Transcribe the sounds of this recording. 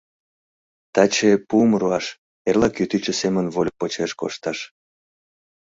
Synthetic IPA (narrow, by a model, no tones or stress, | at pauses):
t̪ɑt͡ɕepumruɑʃ | erlɑkyt̪it͡ɕəsemənvol̚ʲpot͡ɕeʃko̰ʃt̪ɑʃ